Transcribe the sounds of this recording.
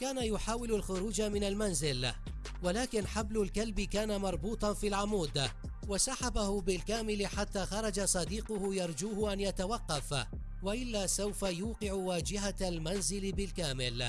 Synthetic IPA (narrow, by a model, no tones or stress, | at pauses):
kaːnajʊħaːwɪlalxʊɾuːd͡ʒamɪnalmanzɪl | walaːkɪnħablʊlkalbɪkaːnamɑɾˤbuːt̪ˤɑfiːlʕamuːd̪ | wasaħabahʊbɪlkaːmɪlɪħat̪ːaːxɑɾˤɑd͡ʒasˤɑd̪iːqʊhʊjɑɾˤd͡ʒuːhʊʔanjat̪awɑqːɑf | waʔɪlːaːsawfajuːqɪʕʊwaːd͡ʒɪɦalmanzɪlɪbɪlkaːmɪl